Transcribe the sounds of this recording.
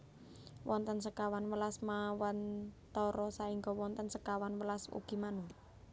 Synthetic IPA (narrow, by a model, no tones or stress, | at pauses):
wʔɔnt̪ənsəkawanwəlasmawant̪ɔɾɔsaiŋɡɔwɔnt̪ənsəkawanwəlasṵɡ̥imanu